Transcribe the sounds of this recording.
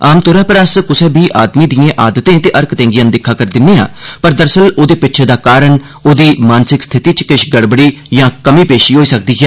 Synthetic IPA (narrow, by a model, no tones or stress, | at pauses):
aːmt̪ʊːɾaːpəɾaskʊsɛːbʱiːʔaːd̪miːd̪ijẽːʔaːd̪ət̪ẽːt̪eːʔəɾkt̪ẽːŋɡijə̃nd̪ɪkʰːaːkəɾd̪ɪnːẽːa̰ːpəɾd̪əɾsəloːd̪eːpɪtːt͡ʃʰed̪aːkaːɾəɳ | oːd̪iːmaːnsɪkst̪ʰɪt̪iːt͡ʃkɪʃɡəɽbəɽiːjãːkəmiːpeːʃiːɦoːiːsək̚d̪iːɦɛː